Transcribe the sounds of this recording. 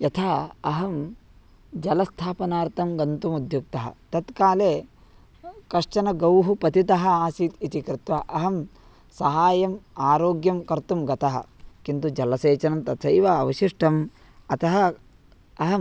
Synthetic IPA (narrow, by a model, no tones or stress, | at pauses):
jɐt̪ʰaːɐɦɐm | d͡ʒɐlɐst̪ʰaːpɐnaːɾt̪ɐmɡɐnt̪umud̪ʱjuk̚t̪ɐɦɐ̰t̪ɐt̪kaːleː | kɐʂt͡ʃɐnɐɡɐwɦupɐt̪it̪ɐɦɐ̆aːsiːt̪it̪ikɾɪt̪ʋɐʔɐɦɐm | sɐɦaːjɐmaːɾoːɡjɐmkɐɾt̪umɡɐt̪ɐɦɐ̰kint̪ud͡ʒɐlɐseːt͡ʃɐnɐmt̪ɐt̪ʰɐjʋɐɐʋɐʃiʂʈʰɐm | ɐt̪ɐɦɐ | ɐɦɐm